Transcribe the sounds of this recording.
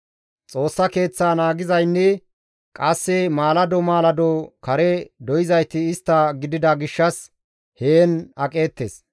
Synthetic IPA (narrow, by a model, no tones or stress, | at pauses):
t͡sʼo̞ːsːɐke̞ːt͡sːaːnaːɡɪzɐjnːɛ | kʼɐsːɛmaːlɐd̪ɔmaːlɐd̪ɔkɐɾɛd̪ɔjɪzɐjt̪ɪːst̪ːɐɡɪd̪ɪd̪ɐɡɪʃːɐs | heːnɐkʼe̞ːt̪ːḛs